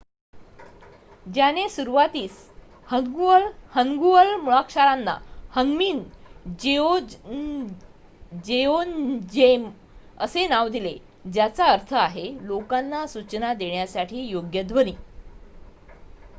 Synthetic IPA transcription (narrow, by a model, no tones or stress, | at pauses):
d͡ʑjanesuɾuʋat̪iːs | həɡlhəŋɡuəlmuɭakʂaɾanːa̰həŋɡmiːnd͡ʑeo | d͡ʑeond͡ʑem | əsenaʋd̪ile | d͡ʑjat͡saəɾt̪ʰəaɦelokanːasut͡ɕnad̪eɳjasaʈʰiːjoɡjəd̪ʱʋəniː